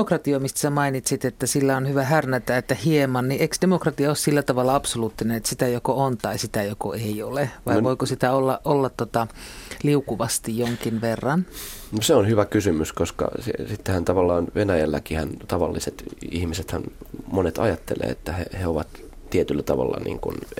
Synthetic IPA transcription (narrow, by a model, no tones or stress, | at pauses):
okrɑt̪iomist̪æ̥sæmɑinit̪sit̪et̪ːæsilːæonhyʋæhærnæt̪æːet̪ːæhiemɑnniʔeiksd̥emokrɑt̪iɑossilːæt̪ɑʋɑlːɑɑpsoluːt̪ːinenet̪sit̪æjokoont̪ɑisit̪æjokoeioleʋɑiʋoikosit̪æolːɑʔʔolːɑt̪tːot̪ɑliukuʋɑst̪ijjoŋkinʋerːɑnnoseonhyʋækysymyskoskɑ̰sesit̪ːehænt̪ɑʋɑlːɑːnʋenæjælːækihænt̪ɑʋɑ̰lːiset̪ihmiset̪hæ̰nmonet̪ɑ̰jɑt̪ːelḛːet̪ːæhḛheoʋɑt̪ | t̪iet̪ylːæt̪ɑʋɑ̰lːɑ̰nḭːŋkṵn